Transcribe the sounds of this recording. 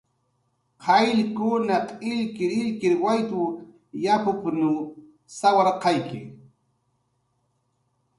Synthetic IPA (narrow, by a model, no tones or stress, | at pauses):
qʰɑjʎkʊnɑqɪʎkɪɾɪʎkɪɾwajt̪ʊ | japʊpnʊ | sawɑɾqɑjkɪ̰